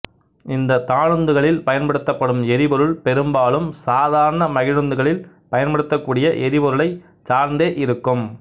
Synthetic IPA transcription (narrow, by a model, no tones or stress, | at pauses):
ɪnd̪ɐt̪aːɻɯnd̪ɯɣɐɭɪlpɐjɐnpɐɽɯt̪ːɐpːɐɽɯmɛɾɪbɔɾɯɭpɛɾɯmbaːlɯmsaːðaːɾɐɳɐmɐɣɪɻɯnd̪ɯɣɐɭɪl | pɐjɐnpɐɽɯt̪ːɐkːuːɽɪjɐʔɛɾɪbɔɾɯɭɐɪ | t͡ʃaːɾnd̪eːʔɪɾɯkːɯm